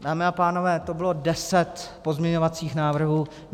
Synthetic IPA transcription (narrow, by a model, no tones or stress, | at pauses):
daːmɪapaːno̞vɛːt̪o̞bɪlo̞dɛsɛt̪po̞zmɲɛɲo̞vat͡siːxnaːvr̩ɦuː